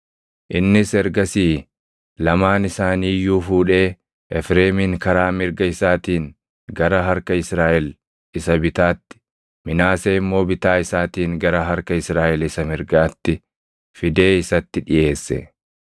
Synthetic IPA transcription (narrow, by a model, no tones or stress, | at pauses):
ʔɪnːɪsɛɾɡɐsiː | lɐmaːnɪsaːniːjuːfuːᶑe̞ː | ʔɛfɾe̞ːmɪŋkɐɾaːmɪɾɡɐɪsaːt̪iːn | ɡɐɾɐɦɐɾkɐɪsɾaːʔɛl | ɪsɐbɪt̪aːt̪ːɪ̥ | mɪnaːseːɪmːo̞ːbɪt̪aːɪsaːt̪iːŋɡɐɾɐɦɐɾkɐɪsɾaːʔɛlɪsɐmɪɾɡaːt̪ːɪ | fɪd̪e̞ːɪsɐt̪ːɪᶑɪje̞ːsːɛ̰